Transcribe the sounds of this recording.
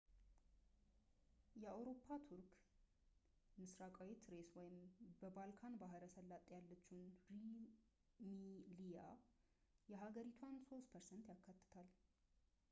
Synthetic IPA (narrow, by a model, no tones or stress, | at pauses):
jɛawɾo̞pʰːat̪ʰuɾk | mɨsɾakʼawet̪ɾe̞swɔjɪmbəbalkʰanbaɦəɾəsəlːat̪ʼjalːət͡ʃːunɾi | milija̰ | jɛɦaɡəɾit̪ʰwanso̞st̪pʰəɾsɛnt̪jakːat̪ːɨ̥t̪ʰal